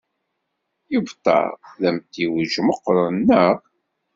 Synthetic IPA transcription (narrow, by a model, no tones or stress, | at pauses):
jəvt̪ˤːɑ̰ɾˤðæmt̪iwʒməqːɾˤənːəʁ